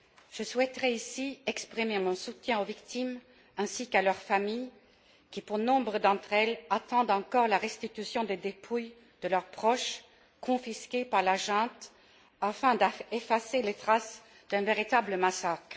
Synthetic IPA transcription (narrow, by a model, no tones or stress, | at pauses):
ʒ̥əswɛt̪ʁɛisiɛkspχimemɔ̃sut̪jɛ̃ovikt̪im | ɛ̃sikalœʁfamij | kʲipuʁnɔ̃bʁəd̪ɑ̃t̪χɛlat̪ɑ̃d̪ɑ̃kɔʁlaʁɛst̪it̪ysjɔ̃d̪ed̪epʰuj | d̪̥əlœʁpχɔʃ | kɔ̃fiskʲepaʁlaʒɛ̃t̪ | afɛ̃d̪aefaselet̪χas | d̪̥ɛ̃veʁit̪abləmasakχ